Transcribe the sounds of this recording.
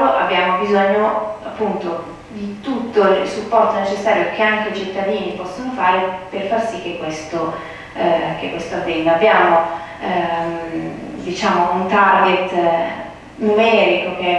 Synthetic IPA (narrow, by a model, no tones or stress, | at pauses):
oʔabjaːmobizoɲːoapːunt̪o | d̪it̪ut̪ːo̰lsupːɔrt̪onet͡ʃesːaːɾjokʰeaŋkeit͡ʃit̪ːad̪iːnipɔsːonofaːɾeperfarsikːekːwest̪o | kekːwest̪oavːɛnd̪aabːjaːmo | d̪it͡ʃaːmount̪arɡet̪ | numɛːɾikok̟e